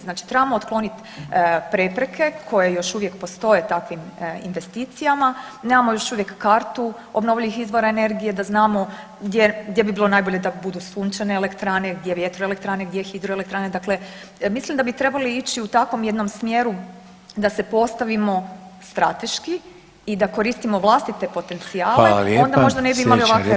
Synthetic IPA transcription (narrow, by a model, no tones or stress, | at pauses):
znaːt͡ʃi̥t̪ɾebamoot̪klo̞nit̪ | pɾe̞pɾekʰe̞kʰo̞jejo̞ʃuʋje̞kpost̪o̞je̞t̪akʋimḭnʋe̞st̪iːt̪sijamaneːmamo̞jo̞ʃuʋje̞kːaːɾt̪u | obno̞ʋʎiʋixizʋo̞ɾaene̞ɾɡije̞d̪aznaːmo̞ | ɡd̪jeɡd̪je̞bibilo̞najbo̞ʎe̞d̪abud̪usuɲt͡ʃaneele̞kt̪ɾane̞ɡd̪je̞ʋjet̪ɾoe̞lek̚t̪ɾaːneɡ̚d̪je̞xid̪ɾoelekt̪ɾaːne̞d̪akle̞ | mislimd̪abit̪ɾe̞baliit͡ɕiut̪akʋo̞mje̞d̪nomsmje̞ɾu | d̪ase̞po̞st̪aʋimo̞st̪ɾa̰t̪e̞ʃki | id̪ako̞ɾiːst̪imo̞ʋlˠast̪it̪e̞po̞t̪e̞nt̪siaːleo̞nd̪amo̞ʒd̪ane̞biimalioakʋe